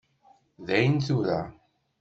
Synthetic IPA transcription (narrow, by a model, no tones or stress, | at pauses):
ðæjənθuɾa